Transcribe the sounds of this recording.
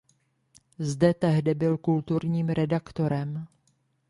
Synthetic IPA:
zdɛt̪ɛɦdɪbɪlkult̪uɾɲiːmɾɛdakt̪oɾɛm

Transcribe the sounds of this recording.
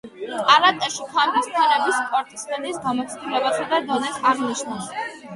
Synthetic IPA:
kʼaɾat̪ʼɛʃipʰambist̪ʰanɛbispʼɔɾt̪ʼi̥smɛnisɡamɔt̪sʰd̪ilɛbasad̪ad̪ɔnɛsaɾniʃnas

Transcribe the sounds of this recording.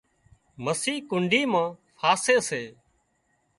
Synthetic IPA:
məsiːkʊɳɖʱiːmãːfʰaːseːseː

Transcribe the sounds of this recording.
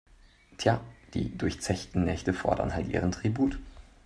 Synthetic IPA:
tʰjaːd̥ḭːdʊɐçt͡sɛçtn̩nɛçtəfɔ̰ɐdɐ̰nɦa̰ltʔḭːʁ̞əntʁ̥ibuːt

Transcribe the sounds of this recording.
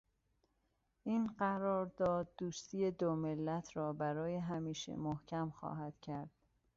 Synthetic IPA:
ʔiːnɢæɾɒːɾd̪ɒːd̪̚ːuːst̪ʰiːje̞d̪omelːæt̪ʰɾɒːbæɾɒːjeɦæmiːʃḛmohcʰæmxɒ̰ːɦæd̪̥cʰæɾd̪̥

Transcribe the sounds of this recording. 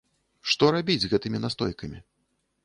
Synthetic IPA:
ʂt̪ɔɾabʲid͡zʲzɣɛt̪ɨmʲinast̪ɔ̰jkɐmʲi

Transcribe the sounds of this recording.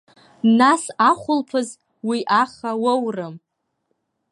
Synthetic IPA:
nasaχʷʊlpʰɨz | wiʔaχawowrɨm

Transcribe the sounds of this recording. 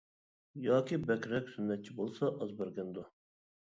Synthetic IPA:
jɑːkʲibɛkʲɾɛkʲsynːɛt̪̚t͡ʃʰibolˠsɑʔɑzbæɾɡʲɛnd̪ʊ

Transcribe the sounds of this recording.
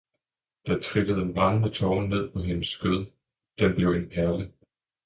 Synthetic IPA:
d̥ɑ̈t͡sʰʁiɡ̥əð̞̩ˠəmɑ̈ŋnət͡sʰɒːne̝ð̞̰ˠpʰɒ̽ɦenəsːɡ̥øð̰ˠ | d̥enb̥le̝ʊe̝npʰæɐlə

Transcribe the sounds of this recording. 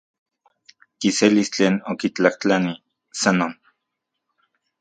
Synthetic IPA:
kiselist͡ɬeːnokit͡ɬaht͡ɬani | sanoːn

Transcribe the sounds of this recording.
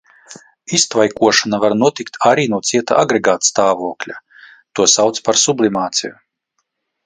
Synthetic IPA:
ist̪vajkuɔʃanavaɾnuɔt̪ikt̪ʰaɾiːnuɔt̪siɛt̪a̰ʔaɡɾeɡaːt̪st̪aːvuɔklʲa | t̪uɔsawt̪spaɾsublʲˠimaːt̪sḭju

